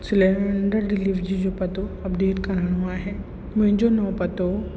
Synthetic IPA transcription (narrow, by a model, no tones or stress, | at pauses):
sɪleʋəɳɖəɾɖɪliːʋd͡ʑid͡ʑopɐt̪oɐpd̪eːt̪kɐɾaɽ̃ɦuaɦɛː | mʊ̃ɦɪ̃ɲd͡ʑonɐpɐt̪o